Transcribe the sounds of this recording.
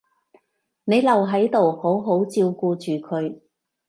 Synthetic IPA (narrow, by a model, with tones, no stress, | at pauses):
ne˨˧jlɐ˨wɦɐ˨˥jt̪o˨who˨˥wɦo˨˥wt͡siː˧wkuː˧t͡ʃyː˨˩kʰɵ˨˧ɥ